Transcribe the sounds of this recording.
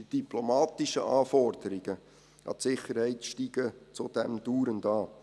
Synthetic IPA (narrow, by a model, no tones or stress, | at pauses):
id̥iplomɑːtɪʃəʔɑːfɔrd̥əɾiɡ̥ə | ɑ̰tsɪχəɾhɛɪtʃtiːɡ̥ət͡sud̥ɛmd̥uːɾəndɑː